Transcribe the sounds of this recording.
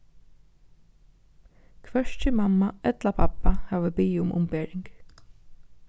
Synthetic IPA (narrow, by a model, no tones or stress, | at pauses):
kʰʋɛʂt͡ʃɪmamːaɛt̪lapʰapahɛːʋəbiːʊmʔʊ̰mpeːɹɪŋk